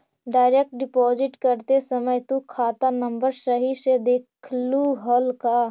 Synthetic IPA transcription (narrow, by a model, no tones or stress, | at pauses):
ɖaːɪɾek̚ʈ̚ɖɪpɔːd͡ʒɪʈkəɾt̪esəməjt̪ukʰaːt̪anə̃mbəɾʃəɦiʃed̪eːkʰluɦəlkaː